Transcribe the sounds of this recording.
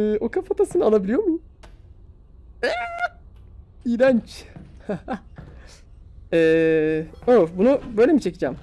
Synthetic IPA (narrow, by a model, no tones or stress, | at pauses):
o̞kʰafat̪ʰasɯnɯalˠabilʲijo̞mu | ɛ | ijɾant͡ʃh | ɛː | obunubøjlʲemit͡ʃʰe̞cid͡ʒæm